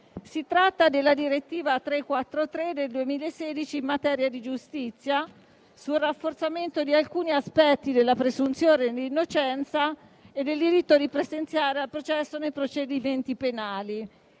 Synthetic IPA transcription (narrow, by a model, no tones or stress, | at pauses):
sit̪ɾat̪ːad̪elːad̪iɾet̪ːiːvat̪ɾekːwat̪ːɾot̪ɾed̪ːeld̪uemiːlaesːeːd̪it͡ʃiːmːat̪ɛːɾjad̪id͡ʒust̪it̪sːja | sulrafːort̪sament̪od̪ialkuːniaspɛt̪ːid̪elːapɾezunt̪sjoːnenlinːot͡ʃɛnt̪sa | ed̪ːeld̪iɾit̪ːod̪ipɾezent̪sjaːɾealpɾot͡ʃɛsːonejpɾot͡ʃed̪iment̪ipenaːli